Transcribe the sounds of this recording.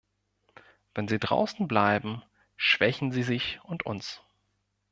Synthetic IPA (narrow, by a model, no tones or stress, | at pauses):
v̥ɛnziːdʁa̰ʊsn̩blaɪbm̩ | ʃv̥ɛçn̩ziːzɪçʔʊntʰʊ̰ns